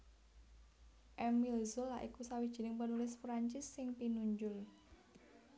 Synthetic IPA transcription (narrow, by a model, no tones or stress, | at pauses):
ʔɛmilzʊlːa̰ʔikusawid̥ʒ̥i̤nɪŋpənulɪsfɾaɲt͡ʃɪsːɪŋpinuɲd͡ʒʊl